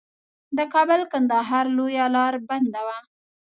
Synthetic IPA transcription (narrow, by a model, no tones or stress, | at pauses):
d̪əkɑbəlkand̪ɑɦɑɾlojalɑɾband̪awa